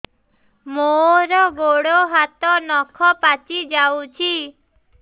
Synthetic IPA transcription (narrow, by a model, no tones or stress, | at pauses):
moɾɔɡoɽoɦat̪ɔnɔkʰɔpat͡ʃid͡ʒawt͡ʃʰi